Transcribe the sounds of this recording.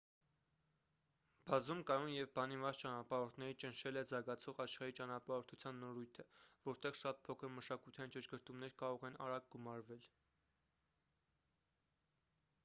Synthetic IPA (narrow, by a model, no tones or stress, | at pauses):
b̥ɑzumkɑnunjɛvbɑnimvɑst͡ʃɑnɑpɑɾɔɾt̪ʰnɛɾit͡ʃənʃɛlɛzɑɡɑt͡sʰɔʁɑʃχɑɾit͡ʃɑnɑpɑɾɔɾt̪ʰut͡sʰjɑnːɔɾujt̪ʰəvɔɾt̪ɛʁʃɑt̪̚pʰɔkʰəɾməʃɑkujt̪ʰiint͡ʃəʃɡəɾt̪umnɛɾkɑɾɔʁɛnɑ̰ɾɑk̚ɡumɑɾvɛl